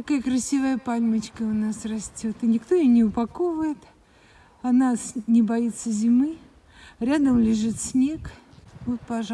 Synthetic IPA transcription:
t̪ɐkajəkɾɐsʲivəjəpalʲmət͡ɕkəʊnasrɐsʲtʲo̞t̪ɨnʲɪkt̪o̞jonʲɪʊpɐko̞vʊjɪt̪ | ɐnasnʲɪbɐit̪sːəzʲɪmɨ | ɾʲad̪əmlʲɪʐɨt̪sʲnʲe̞kvot̪̚pɐ

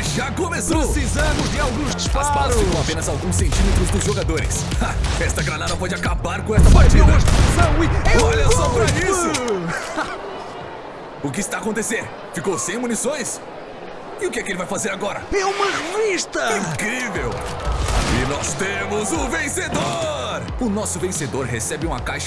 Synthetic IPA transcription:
ʒakõmesosizɐ̃mʊzd͡ʒɪawɡũʃd̪ʊspaspaɾ̃apẽnɐzawɡũsːẽnt͡ʃĩmet̪ɾʊzd̪ʊzʒoɡad̪oɾɪ̰s | aɛst̪ɐɡɾanad̪ɐ̃pɔd͡ʒɪakabaɾkõɛst̪ɐpaɾt͡ʃidɐʃt̪sɐ̃w̃olẽsobɾisʊ | ʊk̬ɪst̪aːkõnt̪eseɾ | fikowsẽj̃munisõj̃s | ɪʊkɪɛkelɪvajfazeɾaɡɔɾɐɛũmɐʁeviʃt̪ɐĩkɾivew | ɪnɔst̪ẽmʊzʊvẽsed̪o | ɾ | ʊnɔsʊvẽsed̪oɾɦesɛbɪũmɐkajʃɐ

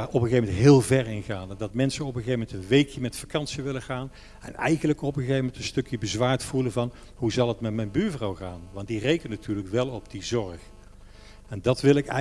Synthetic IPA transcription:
ɔpχəɣevmɛntɦɪːlˠvɛɹɪnɣaːndɑtmɛnsənɔpəɣevmɛntənʋejkʰjəmɛtfakɑnsiʋɪləɣaːn | ɛ̰nɛ̰jɣənləkɔpχəɣevəmɛntənstɵkjəbəzʋaːɹtfulənvɑnɦuzɑlˠɦətmɛtmɛjnbyːɹvrɑwχaːnʋɑntdirejkənnatʰyːɹləkʋɛlˠɔb̚dizɔɹχ | ɛndɑtʋɪlˠɪkɛ̰

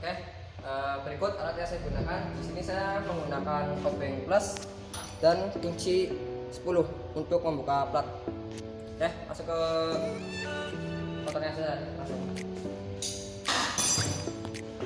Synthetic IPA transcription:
okeh | əbəɾikʊt̪̚aɾat̪̚ɲasajadiɡunakandisinisajaməŋɡunakankopɪŋpləs | d̥ankiɲt͡ʃi | sə̥pulʊh | unt̪ʊk̚məmbukaplat̪̚ | kɛhma̰sʊkə | pɔt̪ɔnɲasajamasʊk

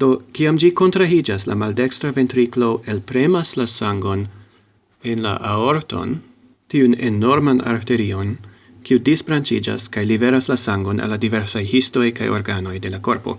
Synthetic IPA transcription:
d̥o̞kiamd͡ʒiko̞ntɾaid͡ʒasla̰malde̞kstɾave̞ntɾiklo̞ʔe̞lpɾe̞maslasaŋɡo̞n | e̞nla̰ʔao̞ɾto̞̰n | tiunḛno̞ɾmana̰ɾte̞ɾio̞n | kiudisblant͡ʃid͡ʒa̰skajlibe̞ɾaslasaŋɡo̞nʔa̰lːadive̞ɾsajhisto̞jka̰jo̞̰ɾɡano̞jde̞lako̞ɾpo̞̰

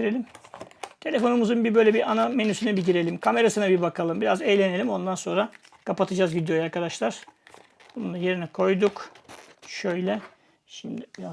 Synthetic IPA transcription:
ɾelʲimt̪ʰe̞lʲe̞fo̞numuzunbibø̞jlʲɛbiɾʔanamenysynɛbiɟiɾe̞lʲimkʰame̞ɾasɯnabibakʰalˠɯmbiɾazejlʲe̞ne̞lʲimo̞nd̪anso̞nɾa | kʰapat̪ʰɯd͡ʒaːzɟid̪ijojaɾkʰad̪aʃlˠaɾ̥ | bununˠaje̞ɾinikʰo̞jd̪uk | ʃøjlʲɛ | ʃimd̪ibia

